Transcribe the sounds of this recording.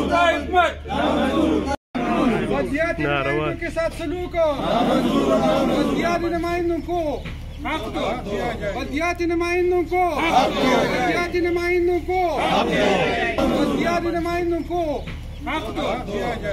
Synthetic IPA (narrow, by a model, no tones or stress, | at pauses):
bɐd̪jaːt̪iõkesaːt̪ʰsɐluːkə | bɐd̪jaːd̪inɐmaːĩnd̪õko | bɐd̪jaːt̪inɐmaːĩnd̪õko | bɐd̪jaːt̪inɐmaːĩnd̪õko | bɐd̪jaːd̪inɐmaːĩnd̪õko